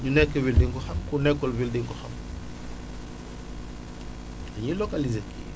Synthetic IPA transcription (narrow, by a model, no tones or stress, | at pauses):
ɲunɛkːewildiŋkuxɐmkunɛkːolvildiŋkuxɐ̰m | aɲilokalizekḭ